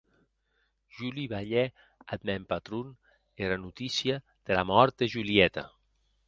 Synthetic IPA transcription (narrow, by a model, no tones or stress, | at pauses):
ʒuliβaʎɛ | ad̪mɛmpat̪ɾun | eɾanut̪isia | ð̥elamɔɾt̪̚d̪eʒuliɛt̪a̰